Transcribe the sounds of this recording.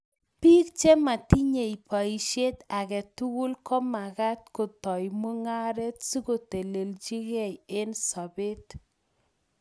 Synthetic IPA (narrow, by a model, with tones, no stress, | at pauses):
pi˦k̚t͡ʃe˦ma˨ti˦ɲe˨i˨pa˨i˨ʃe˦ta˨kɛ˨tu˦ɡu˦lkɔ˦ma˨ka˦t̚ko˨tɔ˨jmu˦ŋa˦ɾe˦tsi˦ko˨te˨le˨ld͡ʒi˦ɣɛ˦˨je˦nsɔ˨be˦t